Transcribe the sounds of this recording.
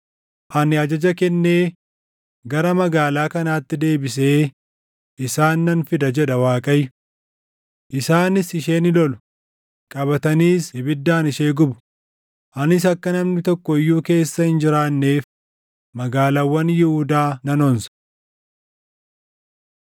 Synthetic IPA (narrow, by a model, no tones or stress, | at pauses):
ʔɐnɪɐd͡ʒɐd͡ʒɐkɛnːe̞ː | ɡɐɾɐmɐɡaːlaːkɐnaːt̪ːɪd̪e̞ːbɪs̬e̞ː | ʔɪsaːnːɐnfɪd̪ɐd͡ʒɛᶑɐwaːkʼɐjʊ | ʔɪsaːnɪsɪʃe̞ːnɪlɔlʊ̥ | kʼɐβɐt̪ɐniːshɪbɪd̪ːaːnɪʃeːɡʊbʊ̥ | ʔɐnɪs̬ɐkːɐnɐmnɪt̪ɔkːɔɪjːuːke̞ːsːɐhɪnd͡ʒɪɾaːnːe̞ːf | mɐɡaːlaːwːɐnjɪhʊd̪aːnɐnɔnsɐ̥